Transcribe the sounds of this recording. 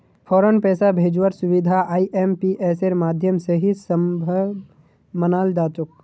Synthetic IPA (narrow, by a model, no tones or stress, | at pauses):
pʰɔːɾənpɛːsabʱeːd͡ʒwəɾsʊʋid̪ʱaaːiʔempiʔeːseɾmaːd̪ʱjəmseɦisəmbʱə | mənaːld̪aːt̪ʊk̚